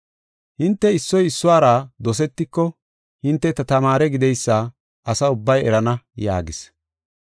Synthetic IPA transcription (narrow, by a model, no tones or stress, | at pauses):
hɪnt̪ːɛɪsːɔjɪsːʊaːɾaːd̪ɔs̬ɛt̪ːɪkːɔ | hɪnt̪ːɛt̪ɐt̪ɐmaːɾɛɡɪd̪ɛjsːa | ʔɐsɐʊbːɐjɛ̰ɾɐnɐja̰ːɡɪs